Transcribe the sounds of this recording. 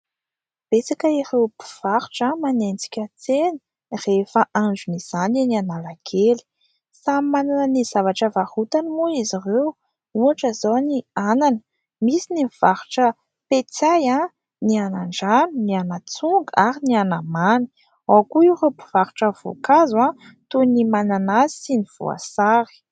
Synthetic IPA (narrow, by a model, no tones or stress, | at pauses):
b̥et͡sakəirewpi̥v̥aɾu̥ʈ͡ʂamanend͡zi̥kʲət͡senə̥ | refəʔaɳd͡ʒuniz̥aninianalaɡʰeli̥ | samananəniz̥avaʈ͡ʂəvahut̪animuizirew | uaʈ͡ʂəzowniananə̥ | misinimv̥aɾu̥ʈ͡ʂə | pet͡saja | nianaɳɖ͡ʐanunianat͡suŋɡaɾinianamani̥ | wawkuiwropi̥v̥aɾuʈ͡ʂəv̥o̰kazã | t̪unimananazi̥siniv̥ṵa̰saɾi̥